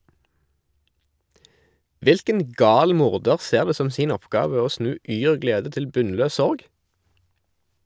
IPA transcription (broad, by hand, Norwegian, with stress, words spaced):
ˈʋɪlkən ˈɡɑːl ˈmʊʁdəʁ ˈseːʁ ˈdeː ˈsɔm ˈsiːn ˈɔpˌɡɑːʋə ˈoː ˈsnʉː ˈyːʁ ˈɡleːdə ˈtɪl ˈbʉnˌløː ˈsɔʁɡ